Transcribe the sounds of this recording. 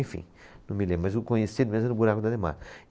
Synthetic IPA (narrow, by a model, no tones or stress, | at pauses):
ẽfḭ̃ | nɐ̃milẽbɾmɐzukõɲesid̪ʊmezmɐnubuɾakʊd̪ad̪ema̰ɾ